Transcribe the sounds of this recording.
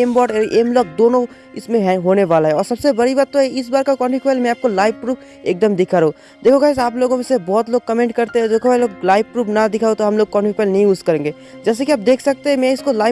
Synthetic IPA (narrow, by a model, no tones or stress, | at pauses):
eːmbɔːʈeɾʔeːmlɔːk̚d̪oːnõ | ɪsmẽɦɛɦoːneʋaːlaɦɛɔːɾsɐbsebɐɽibaːd̪̚t̪oɦɛɪs̬baːɾkakɔ̃ːɳʈikpɛːlmẽaːp̚kolaːɪbpɾuːpʰ | eːk̚d̪əmd̪ɪkʰaɾeɦo | d̪eːkʰoɡasaːploːɡõmẽsebɔːt̪loːɡ̚kɐmẽɳʈ̚kɐɾt̪eɦɛ̃d̪eːkʰoɛloːɡlaːɪʋpɾuːpʰnad̪ɪkʰaːot̪oɦɐmloːɡ̚kɔ̃ːɳfikɛːlnɐɦĩuːskɐɾẽːŋɡeː | d͡ʒɛːs̬ekiaːp̚d̪eːkʰsɐk̚t̪eɦɛ̃mɛ̃ɪskolaːɪ